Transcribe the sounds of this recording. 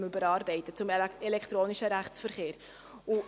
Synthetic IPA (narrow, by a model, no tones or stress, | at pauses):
mybəɾɑːɾbɛɪtət͡sʊmɛlɛktʁoːnɪʃəɾæχt͡sfərχeːɾ | ʊ